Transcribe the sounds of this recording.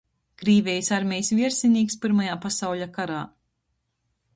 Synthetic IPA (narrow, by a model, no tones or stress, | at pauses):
kɾiːvʲɛjsaɾmʲɛjsvʲiɛɾsʲinʲiːkspiɾmajaːpasawʎʲakaɾaː